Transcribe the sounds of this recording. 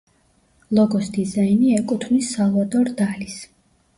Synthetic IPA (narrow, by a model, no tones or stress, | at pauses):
lˠɔɡɔsd̪izainiɛkʼut̪ʰvnisːalˠvat̪ʼɔɾd̪alis